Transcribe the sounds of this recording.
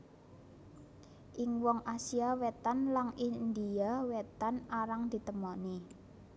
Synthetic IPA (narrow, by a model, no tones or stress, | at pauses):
ʔɪŋwɔŋʔasiawɛt̪anlaŋind̪iawɛt̪anaɾaŋd̪̥i̤t̪əmɔni